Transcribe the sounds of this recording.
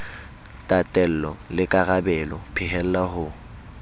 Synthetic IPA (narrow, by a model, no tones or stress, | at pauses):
tʼatʼɛl̩lɔlɪkʼaɣabɛlɔpʰɪɦɛl̩laɦʊ